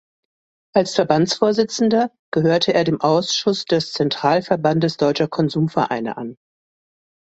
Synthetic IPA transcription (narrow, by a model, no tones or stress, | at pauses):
ʔalsfɛɐbant͡sfoːɐzɪt͡sn̩dɐ | ɡ̥əɦøːɐtʰəeːɐdeːmʔaʊsʃʊsd̥ɛst͡sɛntʁ̥aːlfɛɐbandəsd̥ɔʏt͡ʃɐkʰɔnzuːmfɛɐʔa̰ɪnə̰ʔa̰n